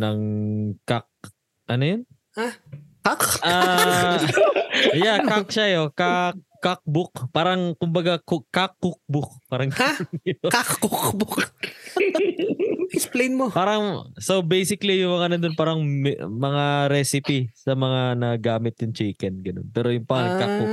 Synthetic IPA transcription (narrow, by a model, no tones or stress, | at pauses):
nɐŋkak̚ | ʔɐnojon | akakʔa | jakak̚ʃajokakːak̚bʊkpaːɾɐŋkʊmbɐɡakkakːʊk̚bʊk̚paːɾɐŋɡaɪnkakkʊkbʊk | ɛksplejnmopaːɾɐŋsobejsɪklijʊŋmɐŋanɐnd̪onpaːɾɐŋmmɐŋaɾɛsɪpisɐmɐŋanɐɡaːmɪt̪̚jʊŋt͡ʃiːkɛnɡɐno̰npɛːɾojʊŋpaakabʊ